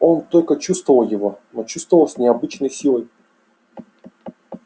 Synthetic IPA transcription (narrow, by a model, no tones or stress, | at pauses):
o̞nt̪o̞lʲkət͡ɕust̪vəvəlˠjɪvo̞not͡ɕust̪vəlˠsʲnʲɪɐbɨt͡ɕnəjsʲilˠəj